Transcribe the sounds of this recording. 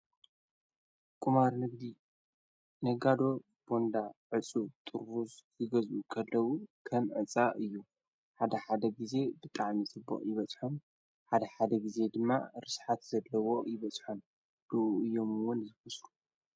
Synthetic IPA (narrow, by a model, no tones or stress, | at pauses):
kʼumaɾnɨɡd̪i | nɐɡad̪o̞ | b̥o̞nd̪aʕɨt͡sʼut̪ʼɨɾuszɨɡɐzukʰɐlːɐwukʰɐmʕɨt͡sʼːaʔɨjːu | ħad̪ɐħad̪ɐɡize̞bɨt̪ʼaʕmisɨbːo̰χʼjɪβɐt͡sʼħon | ħad̪ɐħad̪ɐɡize̞d̪ɨmːa̰ɾɨsħat̪z̥ɐlːɐwo̞jɪβɐt͡sʼħon | d̪̥ɨʔuɨjːo̞mɨwʊnzɨfɐsɾu̥